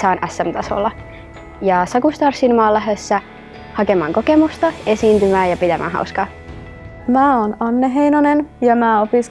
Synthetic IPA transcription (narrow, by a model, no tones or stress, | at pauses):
sɑːnʔæsːæmt̪ɑso̰lːɑ | jɑsɑkust̪ɑrsinmɑːlːæɦøsːæ | hɑkemɑːŋkokemust̪ɑe̞siːnt̪ymæːjɑpit̪æmʔæ̰ːɦɑ̰uskɑː | mæːonɑnːeɦeinonenjɑmæːopis